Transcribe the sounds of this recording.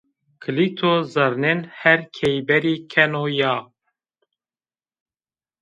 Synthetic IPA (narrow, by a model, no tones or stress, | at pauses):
kʰɨlit̪ʰozɐɾnenhɛɾkʰɛjbɛɾiːkʰɛnojaː